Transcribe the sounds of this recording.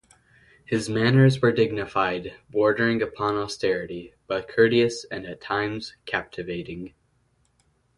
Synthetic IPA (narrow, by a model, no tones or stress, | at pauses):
hɨzmænə˞zwə˞dɪɡ̚nɨfaɪd̚bɔɹdə˞ɪ̃ŋɨpʰɑ̃nɔstɛɹɨɾib̥ʌt̚kʰɜ˞ɾiɨsɨ̃nɨtʰãɪ̃mz̥kʰæp̚tʰɨveɪɾɪ̃ŋ